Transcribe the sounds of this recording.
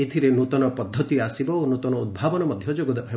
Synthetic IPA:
et̪ʰiɾenut̪ɔnɔpɔd̪ʱːɔt̪iasibɔonut̪ɔnɔud̪̚bʱabɔnɔmɔd̪ʱjɔd͡ʒoɡɔd̪ɔɦe

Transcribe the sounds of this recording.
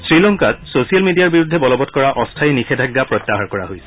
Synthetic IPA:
sɹilɔŋkat̚sosijalmidijaɹbiɹudʱːɛbɔlɔbɔtkɔɹaʔɔstʰajnikʰɛdʱaɡːapɹɔt̪ːaɦaɹkɔɹa̰ɦojsɛ̥

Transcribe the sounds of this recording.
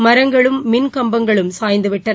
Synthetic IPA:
mɐɾɐŋɡɐɭɯmːɪnkɐmbɐŋɡɐɭɯmsaːjnd̪ɯʋɪʈːɐ

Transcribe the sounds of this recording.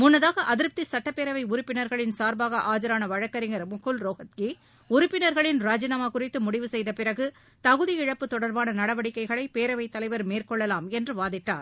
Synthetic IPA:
mʊnːɐðaːɣɐʔɐðɪɾp̚t̪isɐʈːɐpːeːɾɐʋɐɪʊɾʊpːɪnɐɾɣɐɭɪnsaːɾbaːɣɐʔaːd͡ʒɐɾaːnɐʋɐɻɐkːɐɾɪŋɐɾmʊkʰːɯlɾoːɣɐt̪ki | ʊɾʊpːɪnɐɾɣɐɭɪnɾaːd͡ʒɐnaːmaːkʊrɪt̪ːɯmʊɽɪʋɯsɛjðɐpɪɾɐɣɯ | t̪ɐɣɯðɪjɪɻɐpːɯt̪ːɔɽɐɾbaːnɐnɐɽɐʋɐɽɪkːɐɪɣɐɭɐɪpeːɾɐʋɐɪt̪ːɐlɐɪʋɐɾmeːrkɔɭːɐlaːmɛndrɯʋaːðɪʈːa̰ːɾ

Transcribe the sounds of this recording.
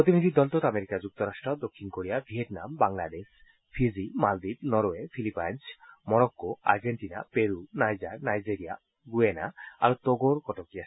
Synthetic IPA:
ppɾot̪inid̪ʱid̪ɔlt̪ot̪ameɾikad͡ʑuk̚t̪oɾaʃʈɾod̪okʰːinkoɽijabʱieʈnambaŋlad̪eʃ | fʰizimald̪ibnɔɾoefʰilipajnsmɔɾɔkːoa̰ɾd͡ʑeɳʈina̰peɾunajd͡ʑaɾnajd͡ʑeɾia̰ | ɡuenaa̰ɾot̪oɡoɾkɔʈokia

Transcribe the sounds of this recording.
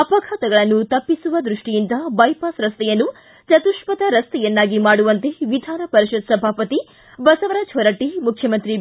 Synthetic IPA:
ɐpɐɡʱaːt̪ɐɡɐɭɐnːut̪ɐpːisuʋɐd̪ɾuʂʈijind̪ɐbɐjpaːsɾɐst̪ɛjɐnːu | t͡ʃɐt̪uʃpɐt̪ɐɾɐst̪ɛjɐnːaːɡimaːɽuʋɐnt̪e̞ʋid̪ʱaːɾɐpɐɾiʃud̪sɐbʱaːpɐt̪i | bɐsɐʋɐɾaːd͡ʒɦɐɾɐʈːimukʰjɐmɐnt̪ɾi

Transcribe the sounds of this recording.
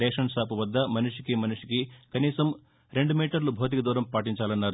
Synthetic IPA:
ɛːʂɐnsaːpuʋɐd̪ːɐmɐnuʂikimɐnuʂi̥kikɐniːsɐm | ɾe̞ɳɖumiːʈɐɾlubʱoːt̪̬ikɐd̪uːɾɐmpaːʈiɲt͡ʃaːlɐnːaːɾu

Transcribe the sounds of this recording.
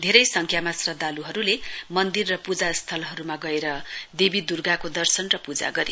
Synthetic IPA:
d̪ʱeɾʌjsʌŋkʰjamasrʌd̪ʱːaluɦʌɾulemʌnd̪irːʌpud͡zast̪ʰʌlɦʌɾumaɡʌeɾʌd̪ebid̪urɡakod̪ʌrsʌnrʌpud͡za̰ɡʌɾḛ

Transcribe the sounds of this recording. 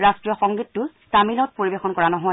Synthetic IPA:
ɹastɹijɔxɔŋɡitːʊ | tamilɔt̚poɹibexɔnkɔɹanɔɦɔ

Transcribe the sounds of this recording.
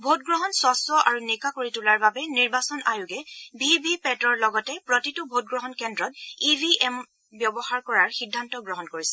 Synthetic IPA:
bʱot̚ɡɹɔɦɔnswɔsɔʔaɹunikakoɹitulaɹbabɛniɹbasɔnajuɡɛbʱibʱipɛtɔɹlɔɡɔtɛpɹɔtitʊbʱot̚ɡɹɔɦɔnkɛndɹɔtibʱiʔɛm | bjɔbɔxaɹkɔɹaɹxidʱːantɔɡɹɔɦɔnkoɹisɛ

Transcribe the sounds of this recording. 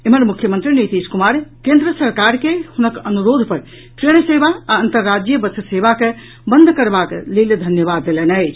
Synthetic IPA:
eməɾmukʰːjəmənt̪ɾinet̪iskumaɾkẽnd̪ɾəsəɾkaɾkehunəkənuɾod̪ʱpəɾ | ʈɾeɽ̃sebaaənt̪əɾːad͡ʒjəbətʰəsebake | bənd̪ʱkəɾbakleld̪ʱənjəbad̪ːelenəjt͡ʃʰ

